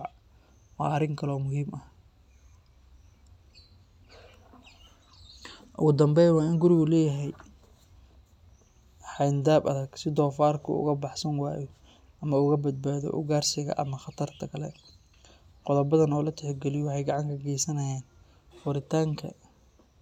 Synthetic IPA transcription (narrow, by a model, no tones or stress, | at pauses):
wɑ̰ːɐrɪŋkʰɐlɔːmʊɦiːmɐh | ʔʊ̰ɣʊd̪ɐmbɛjwɑːɪŋɡʊɾɪɣʊlɛːjɐɦɛj | ħɑjnd̪aːbɐ̰ðɐɡsɪd̪ɔːfaːrkʰʊ̰ʊ̰ɣɐbɑħsɐnwa̰ːjɔ | ʔɐmɐʊɣɐbɐd̪̚baːðɔ̰ʔʊ̰ɡaːrsɪɣɐ̰ʔɐ̰mɐχɑt̪ʰɐrt̪ʰɐkʰɐlɛ̰ | qɔðɐbɐðɐnɔːlɐt̪ʰɛħɡɛlɪjɔwʊħɑjɡɑʕɑŋkʰɐɡɛːsɐnɐjaːn | fʊɾɪt̪ʰaːŋkʰɐ̰